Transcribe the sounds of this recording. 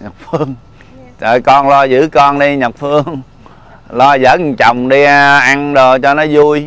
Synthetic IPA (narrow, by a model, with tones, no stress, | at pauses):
ɲə˨˩k͡p̚fɨ˧əŋ | t̪ə̰ː˨jkɔ˧nlɔ˧zɨ̰˧˥kɔ˧nɗi˧ɲə˨˩k͡p̚fɨ˧əŋ | lɔ˧zə̰ː˧˥˨ŋt͡ɕɔ˨˩wŋ͡mɗi˧ʔa˧nɗo˨˩t͡ɕɔ˧nɔ˨˦zu˧əj